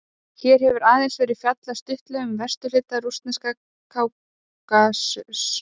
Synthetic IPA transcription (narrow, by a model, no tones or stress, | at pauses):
çɛːɾ̥hɛvʏɾaːðɛnsvɛːɾɪðfjat̪last̪ʏht̪lʏʏmvɛrst̪ʏlɪːt̪arust̪nɪska | kʰaːw | asʏs